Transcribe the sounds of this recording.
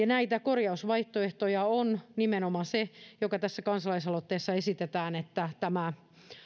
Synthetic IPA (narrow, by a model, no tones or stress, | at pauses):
jɑnæit̪ækorjɑusʋɑiht̪oeht̪ojɑonnimenomɑsejokɑt̪æsːækɑnsɑlɑisɑlot̪ːeːsːɑesit̪et̪æːnet̪ːæt̪æmæ